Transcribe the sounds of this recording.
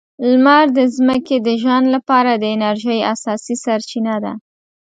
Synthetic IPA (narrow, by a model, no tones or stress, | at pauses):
lmaɾd̪əzməked̪əʒɑnlapɑɾad̪əɪnaɾʒəjasɑsisaɾt͡ʃinad̪a̰